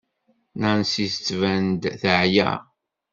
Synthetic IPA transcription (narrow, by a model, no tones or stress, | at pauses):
nænsist͡sːvænd̪θəʕjæ̰